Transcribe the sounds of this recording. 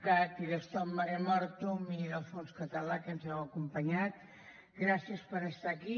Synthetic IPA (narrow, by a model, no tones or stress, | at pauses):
kat̪iðəst̪ɔmːaɾemɔɾt̪umiðəlˠfonskət̪əlakənzɛwəkumpəɲat̪ | ɡɾasiəspəɾəst̪aki